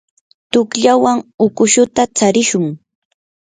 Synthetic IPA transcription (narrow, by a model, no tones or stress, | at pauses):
t̪ʊkʎawaŋʊkʊʃʊt̪at͡saɾɪʃʊŋ